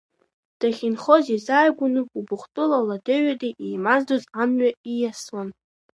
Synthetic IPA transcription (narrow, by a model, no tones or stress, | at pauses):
d̥aχʲinχozizaːjɡʷʊnɨubʊχʷtʼɨlaladeɥadaʔijmazdozamɥaijaslan